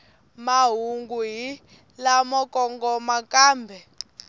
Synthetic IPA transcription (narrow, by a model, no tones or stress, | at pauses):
maɦuŋɡuɦi | lamɔkʼɔŋɡɔmakaːmbʱɛ